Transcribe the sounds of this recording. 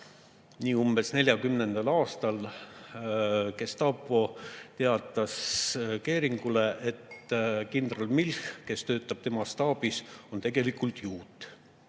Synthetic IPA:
niːumbe̞sne̞lʲjɑkymne̞nd̪̥ɑlɑːst̪ɑl | ke̞st̪ɑpːˑo̞t̪e̞ɑt̪ːˑɑske̞ːɾiŋɡ̥ule̞ʔet̪kind̪rolmilhke̞st̪ø̞ːt̪ːˑɑb̥t̪e̞mɑst̪ɑːb̥iso̞nt̪e̞ɡ̥e̞likˑult̪juːt̪ːˑ

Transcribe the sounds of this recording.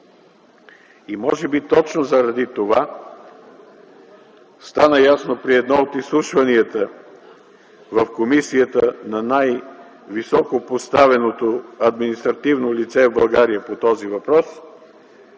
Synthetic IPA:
imɔʒɛbit̪ɔt͡ʃnozɐɾɐd̪it̪ova | st̪anəjasnopɾiɛd̪nɔot̪islˠuʃvɐniət̪ə | vəfkomisijət̪ənɐnaj | visɔkopost̪avɛnot̪oɐd̪minist̪ɾɐt̪ivnolit̪sɛvbɐlˠɡaɾiəpot̪ɔzivɐpɾɔs

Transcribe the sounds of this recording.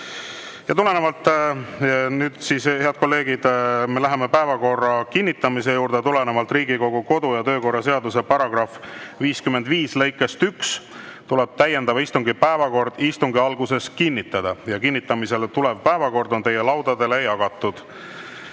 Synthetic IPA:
jɑt̪ule̞nevɑlt̪ːˑ | nyːd̪̥sishe̞ɑd̪̥̚ko̞lːe̞ːɡ̥id̪̥me̞læɦemepæevɑko̞rːɑkinʲːit̪ːˑɑmise̞juːɾd̪̥e̞t̪ule̞nevɑlt̪ˑrɾiːɡiko̞ɡ̥uko̞d̪ujɑt̪ø̞ːko̞rːɑse̞ɑd̪use̞pɑɾɑɡ̥rɑfviːskymend̪viːslɤ̞jkːˑe̞st̪yks | t̪ulɛb̥̚t̪æje̞nd̪ɑvɑist̪uŋɡipæevɑko̞rd̪ist̪uŋɡiɑlɡuse̞skinʲːit̪ːˑɑd̪̥ɑjɑkinʲːit̪ːˑɑmise̞lt̪ule̞vpæevɑko̞rd̪o̞nt̪e̞je̞lɑwd̪̥ɑd̪e̞lejɑɡ̥ɑt̪ːˑud̪̥

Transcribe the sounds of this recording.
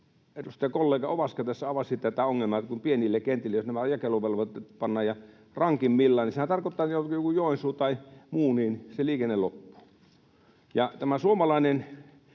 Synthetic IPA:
et̪ust̪ɑɑkolːeˑːkɑoʋɑskɑt̪æsːæɑʋɑsit̪ːæt̪æoŋːelmɑˑt̪kumpienilːekent̪ilːejosnæmæjɑkeluʋelʋɑt̪ːpɑnːɑːjjɑ | rɑŋkimmilːɑːnisehænt̪ɑrkot̪ːɑːnijokjokujjoˑinsuːt̪ɑˑimuːniːnseliːkenːelopːu̥ | jɑt̪æmæsuomɑlɑˑinen

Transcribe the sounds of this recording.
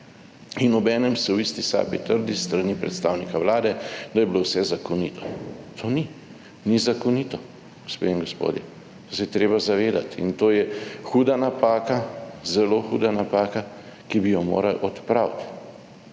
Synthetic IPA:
inɔbɛːnɛmsɛwist̪isa̰bit̪əɾd̪ist̪ɾanipɾɛ̰t̪st̪aːwnikawlaːd̪ɛd̪ɐjɛbilowsɛzakɔnit̪ʰɔ̥t̪ʰoːni | nizakɔnit̪ɔ | ɡospeːiŋɡɔspo̰ːd̪jɛ | sɛjt̪ɾeːbazaʋeːd̪at̪ḭnt̪oːjɛxuːd̪anapaːkazɛloːxuːd̪anapaːka | kibijɔmo̰ːɾalʔɔt̪pɾawt̪

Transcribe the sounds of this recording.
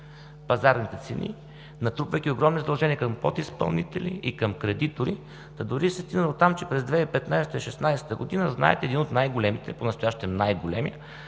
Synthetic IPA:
pɐzaɾnit̪ɛt̪sɛnʔḭ | nɐt̪ɾupvəjkʲioɡɾɔmnizd̪ɐlˠʒɛniəkɐmpɔt̪ispɐ̰lˠnit̪ɛlʲiikɐmkɾɛd̪it̪oɾi | t̪ɐd̪ʊɾisɛst̪inəlˠot̪ːamt͡ʃɛpɾɛzd̪vɛipɛt̪najst̪əiʃɛsnajsɛ̥t̪əɡod̪inəzna̰ɛ̰t̪ɛːd̪inot̪najɡolɛmit̪ɛponɐst̪ojaʃt̪ɛmnajɡolɛmiə

